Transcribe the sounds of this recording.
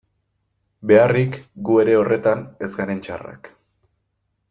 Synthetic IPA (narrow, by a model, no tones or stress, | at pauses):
be̞arikɡue̞ɾe̞o̞re̞t̪ane̞zɡaɾe̞nt͡ʃa̰ra̰k